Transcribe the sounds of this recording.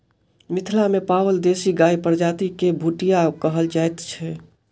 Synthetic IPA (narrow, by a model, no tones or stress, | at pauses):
mɪt̪ʰlamepaːwəld̪eːsiɡaːipəɾd͡ʒaːt̪ikebʱuʈijakəɦəld͡ʒajt̪t͡ʃʰɛ